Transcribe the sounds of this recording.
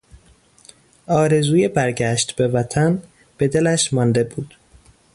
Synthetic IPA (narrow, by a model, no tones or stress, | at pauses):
ʔɒːɾe̞zuːjebæɾɟæʃt̪be̞væt̪ʰæn | b̥e̞d̪elæʃmɒnd̪e̞buːd̪̥